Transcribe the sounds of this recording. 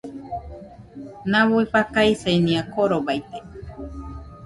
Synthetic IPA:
nãβuipakaisejnĩakoɾobajt̪e̥

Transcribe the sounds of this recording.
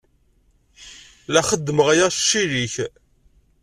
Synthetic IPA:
læχəd̪ːəməʁjæʃːiɾiç

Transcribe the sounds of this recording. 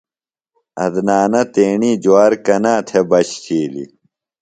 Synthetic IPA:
ɐd̪naːnɐt̪eːɳiːd͡ʑuaːɾkɐnaːt̪ʰebɐɕt͡ɕiːlḭ

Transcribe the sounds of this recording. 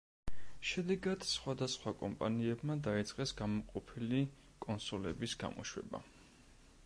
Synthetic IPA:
ʃɛd̪ɛɡad̪̥sχwad̪asχwakʼɔmpʼa̰niɛbmad̪ait̪sʼqʼɛsɡamɔqʼɔpʰili | kʼɔnsɔlɛbisɡa̰mɔ̰ʃwɛ̰ba̰

